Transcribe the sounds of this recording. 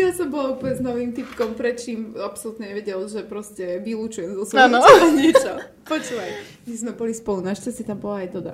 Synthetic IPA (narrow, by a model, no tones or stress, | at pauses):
jasɔmbɔlauplɲɛznɔʋiːmt̪ipkɔmpɾɛt͡ʃiːmapsɔlut̪ɲɛɲɛʋɛɟɛlʒɛpɾɔscɛʋilut͡ʃujɛmzɔsʋɔamnɔaɲɪɛt͡ʃɔ | pɔt͡ʃuːʋaj | mizmɛbɔlispɔlunaʃt͡sɛstit̪ambɔlaːjd̪ɔbɾa̰